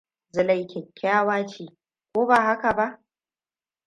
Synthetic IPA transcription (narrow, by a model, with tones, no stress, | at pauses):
zɪ˨lɐ˦˨jkʲɛ˨kʲʰːaː˦waː˦t͡ʃeː˨ | kʷoː˦baː˨ɦa˦ka˨ba˦ʔ